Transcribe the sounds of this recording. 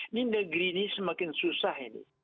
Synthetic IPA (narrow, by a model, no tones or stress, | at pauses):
nind̪aɡɾinisimakinsusaɦinḭ